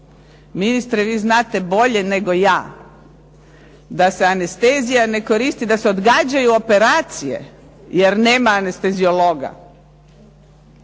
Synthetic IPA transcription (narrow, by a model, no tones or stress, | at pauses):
minist̪ɾeʋiːznaːt̪e̞bo̞ʎe̞ne̞ɡo̞jaː | d̪ase̞ane̞st̪eːzijane̞ko̞ɾiːst̪id̪aseo̞d̪ɡaːd͡ʑajuope̞ɾaːt̪sije̞̰ | je̞ɾne̞ːmaːne̞st̪e̞zioloːɡa̰